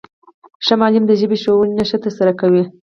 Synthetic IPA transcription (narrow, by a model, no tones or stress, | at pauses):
ʃamɑlimd̪əʒəbeʃowənnaʃət̪əɾsaɾakawi